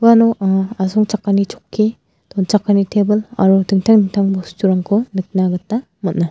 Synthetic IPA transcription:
wanɔasɔŋt͡ʃakːanit͡ʃʰɔkʰːi | d̥ɔnt͡ʃakːanitʰebɯla̰ɾudɯŋtʰaŋdɯŋtʰaŋbɔstuɾaŋkʰunɯk̚naɡɯtːa | mɐt̚na

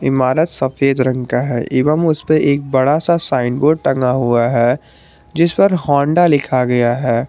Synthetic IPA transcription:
ɪmaːɾət̪sɐfeːd̪ɾɐ̃ŋɡkaɦɛ̰ʔɪːʋəmʊspeʔeːk̚bɐɽasasaːɪnboːɖ̚ʈɐ̃ŋɡaɦuaɦɛː | d͡ʒɪspəɾɦɔ̃ːɳɖalɪkʰaɡɐjaɦɛː

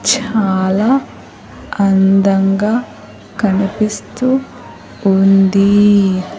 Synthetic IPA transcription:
t͡ʃaːlaː | ɐnd̪ɐŋɡaː | kɐnipist̪uː | nd̪i

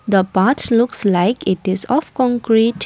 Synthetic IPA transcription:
d̪əpatlukslaɪkɪtɪzɔfkɔ̃ŋkɹit

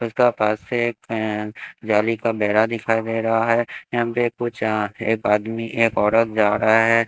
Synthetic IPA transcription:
ʊskapaːsːeːk | d͡ʒaːlikabɛːɾad̪ɪkʰaːid̪eːɾɐɦaɦɛːjɐɦə̃pekːot͡ʃaeːkaːd̪miʔeːkɔːɾət̪̚ʰd͡ʒaːɾɐɦaɦɛː

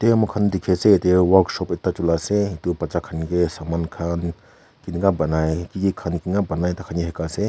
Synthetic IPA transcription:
temukʰandikʰesetewaɾksɔpitːat͡ʃulaseitupɐt͡ʃakʰanɡesamankʰan | kiniŋabanajkiɡikʰankiŋɡabanajtakʰanɡeɦekase

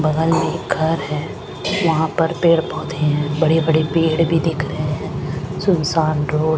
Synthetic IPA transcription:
bɐɡ̪əlmeɡʱɐɾɦɛː | ʋɐɦãpɐɾpeːɽbɔːt̪eẽɦɛ̃ːbɐɽibɐɽipeːɽbʱid̪ɪkʰɾɐɦẽɦɛ̃ːsʊnsaːnɖoː

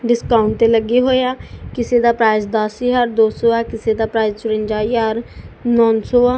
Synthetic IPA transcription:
ɖɪskaːʊɳʈ̚t̪eːləɡeːɦoːjaːkɪseːd̪aːpɾaːɪzd̪əsiːɦəɾd̪oːsoːaːkɪseːd̪aːpɾaːɪzt͡ʃʊɾə̃ɲd͡ʒaːiːəɾnɔːnsoːaː

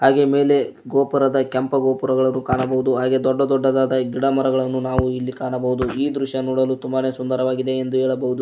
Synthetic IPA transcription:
haːɡe̞me̞ːle̞ | ɡoːpɐɾɐd̪ɐkɐmpɐɡoːpɐɾɐɡɐɭɐnːukaːɳɐbɐɦud̪uɦaːɡe̞d̪ɔɖːɐd̪ɔɖːɐd̪aːd̪ɐɡiɽɐmɐɾɐɡɐɭɐnːunaːʋuilːikaːɳɐbɐɦud̪uiːd̪ɾuʃjɐnuːɽɐlut̪umbane̞ːsund̪ɐɾɐʋaːɡid̪e̞ːnd̪uɦɛːɭɐbɐɦud̪u

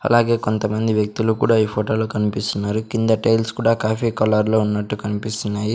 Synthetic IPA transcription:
ɐ̰laːɡe̞ːko̞nt̪ɐmɐnd̪iʋjɐk̚t̪ulukuːɽaːiːpʰoːʈo̞ːloːkɐnipist̪unːaːɾukind̪ɐʈeːjlskuːɽaːkaːpʰiːkɐlɐɾlo̞ːunːɐʈːukɐnipist̪unːaːji

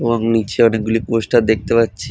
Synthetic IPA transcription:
eboŋnit͡ɕʰeɔnek̚ɡuliposʈad̪ek̚t̪epatːɕʰi

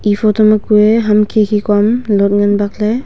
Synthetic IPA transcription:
ipʰɔtɔmakueɦamkʰikʰikɔmlɔt̚ŋanbak̚le

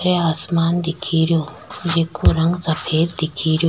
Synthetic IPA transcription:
ɾeaːsmaːnd̪ekʰiɾjoː | jekoɾɐŋɡsɐpʰeːd̪d̪ikʰiɾjo

